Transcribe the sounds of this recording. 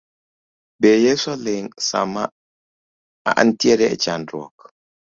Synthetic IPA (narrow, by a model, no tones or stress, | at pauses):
bejesɔleŋsa̰ma | a̰ʔan̩tiɛɾɛʔt͡ʃandɔ̰k